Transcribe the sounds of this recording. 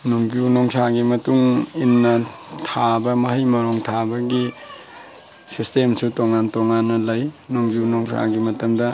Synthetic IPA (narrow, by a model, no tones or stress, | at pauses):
nuŋɡunɔŋsaɡimɐtuŋinːɐtʰabɐmɐɦɐjmɐɾoŋtʰabɐɡi | sistemsutoŋantoŋanːɐlajnuŋɡunoŋsʰa̰ɡimɐtɐmdɐ